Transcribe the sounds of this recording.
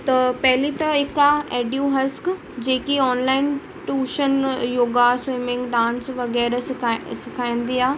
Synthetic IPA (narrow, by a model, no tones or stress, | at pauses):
t̪ɐpɐɦɪlit̪ɐɦɪkaeːɖjũɦɐsk | d͡ʑeːkiɔːnlaːɪn | ʈuːʃənjoːɡaːsɪ̃ːmɪ̃ŋɡɖãːnsʋɐɣɛːɾssɪkʰaːĩːn̆d̪iːaː